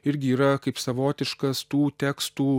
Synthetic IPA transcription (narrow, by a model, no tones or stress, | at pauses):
ɪɾʲɡʲɪiːɾɐkɐɪpsɐʋoːt̪ʲɪʃkɐst̪uːt̪ʲæːkst̪uː